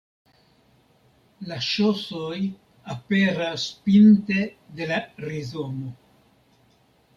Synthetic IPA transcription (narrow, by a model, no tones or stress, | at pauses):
laʃosoj | apeɾaspinte̞de̞laɾizono